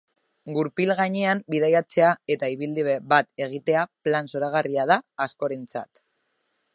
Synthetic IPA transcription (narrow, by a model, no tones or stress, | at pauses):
ɡuɾpilɣaɲeambiðajat͡se̞ae̞t̪aiβild̪iβeβat̪e̞ɣ̞it̪e̞aplansoɾaɣ̞ariað̞aːsko̞ɾe̞nt͡sa̰t̪